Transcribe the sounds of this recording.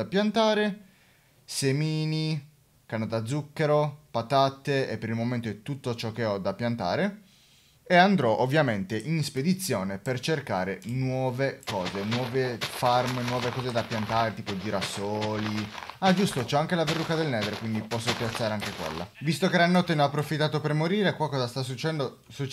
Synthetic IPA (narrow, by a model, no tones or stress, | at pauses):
apjant̪aːɾe | semiːni | kanod̪ad̪zːukːeɾopat̪at̪ːeepːeɾilmoment̪oɛt̪ut̪ːot͡ʃɔkːeɔd̪apːjant̪a̰ːɾe | eand̪ɾɔʔovːjament̪eʔinsped̪it̪sːjoːnepert͡ʃerka̰ːɾenwɔːvekɔːzenwɔːvefarmnwɔːvekɔːzed̪apjant̪aːɾet̪iːpod͡ʒiɾasoːliad͡ʒust̪ot͡ʃɔaŋkelaverːukad̪elnɛːd̪ɾekwind̪ipɔsːopjat̪sːaːɾeaŋkekwḛlːa̰vist̪okeɾanːɔt̪ːeneapːɾofit̪ːaːt̪opermoɾiːɾekwalkɔːzast̪as̬ːut͡ʃːɛnd̪o | sut͡ʃ